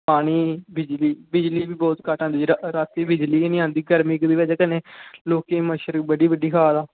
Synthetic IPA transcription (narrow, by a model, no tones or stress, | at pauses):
paːɽ̃iːbɪd͡ʒliːbɪd͡ʒliːbiːbɔːt̪kaːʈãːnd̪iɾaːt̪iːbɪd͡ʒliːnĩːãːnd̪iːɡəɾmɪkd̪iːʋed͡ʒkəneːloːkeːməʃəɾbəɖiːbəɖiːkʰaːd̪aː